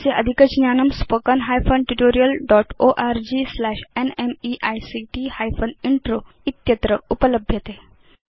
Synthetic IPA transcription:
seʔə̰d̪ʱikəd͡ʑnjanəmspəkənɦajfʰənʈuʈoɾijəlɖɔʈoʔaɾd͡ʑislæɕenemiʔajsiʈihajfəniɳʈɾo | it̪jət̪ɾəupələbʱjət̪e

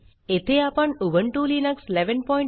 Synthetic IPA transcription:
et̪ʰeapəɳuʋəɳʈulinəksleʋənpɔj̃ɳ

